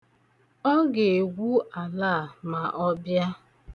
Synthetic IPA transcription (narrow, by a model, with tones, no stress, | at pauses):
ɔ˦ɡe˨e˨ɡʷu˦a˨laː˦˨ma˨ʔɔ˦bja˦